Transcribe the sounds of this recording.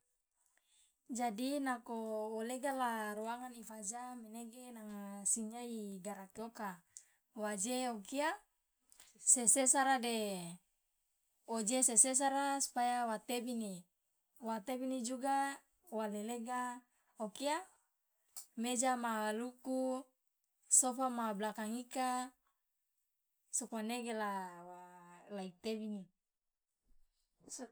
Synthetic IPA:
d͡ʒadinakooleɡalaɾuaŋanifad͡ʒameneɡenaŋasiɲaiɡaɾakeoka | wad͡ʒeokia | sesesaɾade | od͡ʒeseses̬aɾasu̥pajawat̪ebini | wat̪ebinid͡ʒuɡa | waleleɡa | okia | med͡ʒamaluku | sofamablakaŋika | sokaneɡelawalaik̚t̪ebini

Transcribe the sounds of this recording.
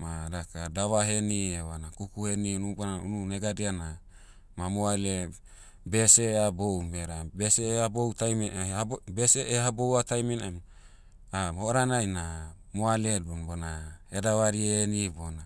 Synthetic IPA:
maɾakadaβaɦenieβanakukuheninubanaununeɡadiana | mamoale | beseabowmeɾabeseabowtajmabeseʔehabowatajminem | aoɾanajna | moaleobonaedaβaɾienibona

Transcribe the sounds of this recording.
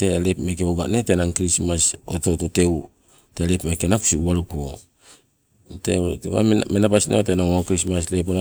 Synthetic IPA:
telepmekeoɡanete̞naŋkɾismasototote̞w | te̞lepmekenaku̥siuwaɾuko | tḛa̰menapasnotenaŋokɾismas̬lep̬ona

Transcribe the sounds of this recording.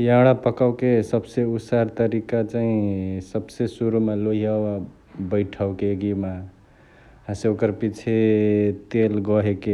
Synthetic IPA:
jaɽ̃apəkaʊkesəbseusaɾt̪əɾikat͡ʃaĩsəbsesuɾumaloɦiaba | bəɪʈʰaʊkeɡima | ɦãseokəɾpit͡ʃʰet̪elɡʌɦeke

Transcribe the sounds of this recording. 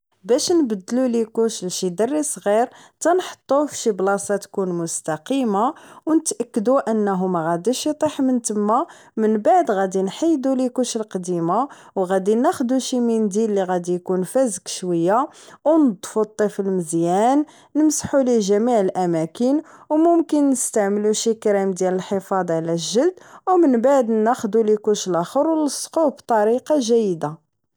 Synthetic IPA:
bæʃnbəd̪ːlulikuʃlʃid̪ərːisˤɣiɾ | t̪ænħə̥t̪ˤːufʃiblɑsɑt̪kunmʊst̪ɑqimawnət̪ʔækːəd̪uʔənːæɦʊmæɣæd̪iʃjit̪ˤiħmənt̪əmːa | mənbaʕd̪ɣæd̪inħəjːd̪ulikuʃəlqd̪ima | wɣæd̪inæxd̪uʃimind̪ilːiɣæd̪ijkunfæzəkʃwəjːawnəd̪ˤfut̪ˤːifilməzjænː | əmsħuliʒæmiʕəlʔæmækənwmʊmkənːəst̪aʕməluʃikɾimd̪jæləlħəfɑd̪ˤʕlæʒːəld̪wmənbaʕd̪næxd̪ulikʊʃlʔæxəɾwləsˤqubt̪ˤɑɾiqɑʒæjːd̪a

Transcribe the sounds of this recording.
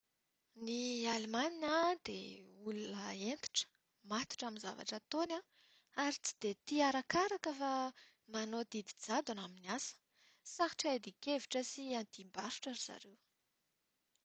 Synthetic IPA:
nialimaninad̪ḛulunəent̪u̥ʈ͡ʂə̥ | mat̪u̥ʈ͡ʂaminza̰va̰ʈ͡ʂət̪ona | aɾit͡si̥d̪̥et̪iaɾakaɾakəfa | manod̪id̪id͡zad̪anaminiasə̥ | saxi̥ʈ͡ʂajd̪ikeviʈ͡ʂəsiand̪imbaɾu̥ʈ͡ʂaɾiz̥a̰ɾew

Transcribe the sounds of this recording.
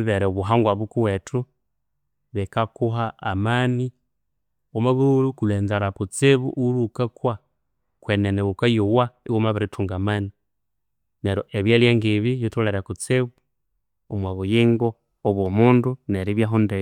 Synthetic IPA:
βeɾeuβuɦaŋɡwaβukuwetʰu | βekakuɦaamani | omaβuulukuleːnzalakut͡seβṵʔulukakwa | kwenenewukajuwaiwumaβaɾitʰuːŋɡamani | neɾoʔeβjeljeŋɡiβijutuleɾakut͡seβu | omwaβujiːŋɡoː | βwomuːnduneɾiβjaɦunde

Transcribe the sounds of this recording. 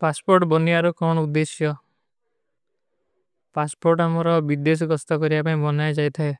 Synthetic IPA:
paspoɾʈbɔniaɾukɔɳɔud̪esjɔ | paspoɾʈamɔɾɔbid̪es̬ɔɡɔst̪ɔkɔɾibapaĩbɔnajd͡ʒajt̪ʰaɦe

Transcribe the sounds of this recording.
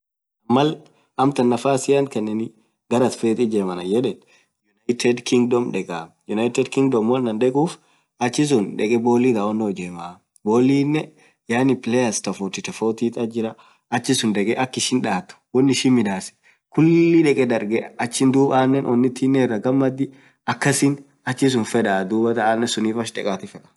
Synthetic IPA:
ʔɐmːɐl | ɐmt̪ɐnːɐfaːsɪjɐnkɛnːɛni | ɡɐɾɐt̪feːt̪ʼɪd͡ʒeːmɐnɐjɛᶑɛn | jʊnɐjt̪ɛd̪kɪŋɡ̚d̪ɔmᶑɛkʼaːjʊnɐjɪt̪ɛd̪kɪŋɡd̪ɔmwɔlːɐnᶑ̪ɛkʼuːf | ɐt͡ʃːɪs̬ʊnᶑɛkʼɛboːlːiːd̪awɔnːoːd͡ʒeːmaː | boːlːiːnːɛ | jaːnɪpɪlɛjɐst̪ɐfʊt̪ɪt̪ɐfoːt̪iːt̪ʼɐd͡ʒɪɾɐ | ɐt͡ʃːɪsʊnᶑ̪ɛkʼɛʔɐkːɪʃɪnᶑaːt̪ːʊ̥wɔnːɪʃɪnmɪd̪aːsɛ̥ | kʊlːlːɪᶑɛkʼɛd̪ɐɾɡɛɐt͡ʃːɪnd̪uːbaːnːɛnʔɔnːɪt̪ːiːnːɛɛrːɐɡɐmːɐd̪ːɪ | ɐkːɐsɪn | ɐt͡ʃːɪs̬ʊnfɛᶑaːd̪uːbɐt̪ɐaːnːɛsʊniːfɐʃᶑɛkʼaːt̪ɪfɛᶑɐ̥

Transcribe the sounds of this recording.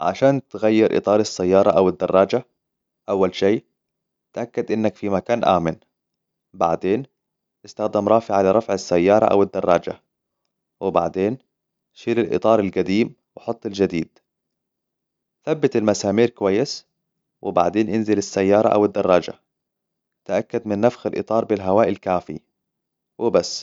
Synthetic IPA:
ʕa̰ʃaːnt̪ɣajːɪɾʔɨ̰t̪ˤɑːɾˤɪsːajːɑːɾˤɑʔawɪd̪ːɑrˤːɑːd͡ʒa | ʔawːalʃeː | t̪ʔakːad̪ʔɪnːakfimakaːnʔa̰ːmɪn | ba̰ʕd̪eːn | ʔɪst̪axd̪amɾˤɑːfɪʕalɪɾˤɑfʕɪsːajːɑːɾˤɑ̰ʔa̰wɪd̪ːɑrˤːɑːd͡ʒa̰ | wɪba̰ʕd̪eːn | ʃiːɾɪlʔɨ̰t̪ˤɑːɾˤalɡad̪iːm | wɪħʊt̪ˤːɪld͡ʒad̪iːd̪̥̚ | θabːɪt̪almasaːmiːɾkʊwajːɪs | wɪbaʕd̪eːnʔɪnzɪlɪsːajːɑːɾˤɑʔa̰wɪd̪ːɑrˤːɑːd͡ʒa̰ | t̪ʔakːad̪mɪnːafxalʔɨ̰t̪ˤɑːɾˤbɪlɦawaːʔɪlkaːfḭ | wɪbasː

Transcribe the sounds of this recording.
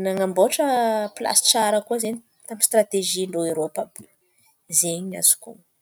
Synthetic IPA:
naŋamboʈ͡ʂəpila̰si̥ʈ͡ʂaɾəkuəzeɲi | t̪amist̪ɾat̪eʒiloeɾopaby | zeɲiɲa̰z̥u̥kuŋ

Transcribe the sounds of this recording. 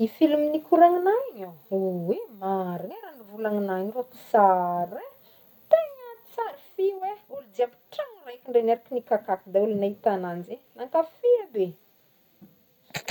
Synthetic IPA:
ifiluminikuɾaŋinaɲauwemaɾineɾaɳivulaŋinaɲirot͡si̥saɾe | t̪eŋəi̥t͡saɾifiweulud̪iapi̥ʈ͡ʂaŋrajkiɳɖ͡ʐenaɾakinikakakid̪aulunait̪ananzenaŋkafiabe

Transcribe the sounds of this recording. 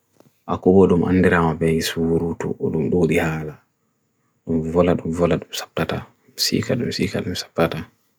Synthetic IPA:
ʔakɔbɔɗumʔa̰nːdɛɾamabɛjisuwuɾutṵʔɔɗumɗoːɗihaːla | ɗumvɔlaɗumvɔlaɗumsḁp̚tata | sḭːkaɗumsiːkaɗumsḁp̚tata

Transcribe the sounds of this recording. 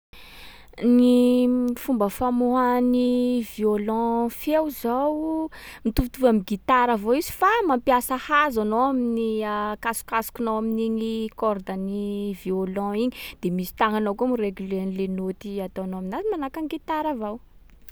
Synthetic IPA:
nifumbəfamoɦaniviolɔ̃fewzawmit̪uvt̪uvamiɡit̪aɾavowizi̥famãmpiasəhazanowaminiakasu̥kasu̥kunoaminiɲikɔrd̪aniviolɔ̃iɲid̪̥emisi̥t̪aŋanowkumireɡylenilenot̪iat̪oanoaminazimanakaŋɡit̪aɾavaw

